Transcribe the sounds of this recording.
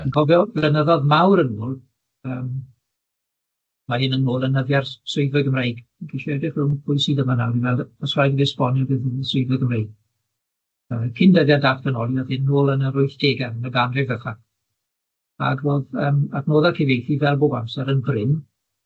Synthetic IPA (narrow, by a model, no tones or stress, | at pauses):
ənɡ̥ɔvjɔvɛnəðɔðmawɾənoːlˠ | əːm | mahɪnənːoːlˠənəvjarswɪɨvəɡəmrejɡ̥ɡʰeʃɛdɪχɪnpʰʊjsiːdəmanawɾivɛlˠəsrajdvɪspɔnjɔvɨðswɪɨvəɡəmrejɡ̚ | əːkʰɪndəðjadatb̥ənɔlˠjað̥hɪnnːoːlˠənəɾʊɨθd̥eːɡɛənəɡanrɪvəχa | a̰ɡroːðəːmadnoːðakʰevejθivɛlˠboːbamsɛɾənbrɪn